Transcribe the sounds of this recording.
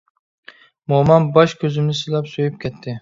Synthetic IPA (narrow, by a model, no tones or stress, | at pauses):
momɑnbɒʃkʲʰɵzɪmnɪsɨlapsojɪp̚kʲʰet̪ʰːɪ